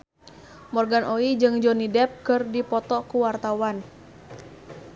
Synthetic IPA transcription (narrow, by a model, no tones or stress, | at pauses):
mɔrɡanʔoid͡ʒɨŋd͡ʒɔnidɛp̚kɨrdipɔt̪ɔkuwart̪awan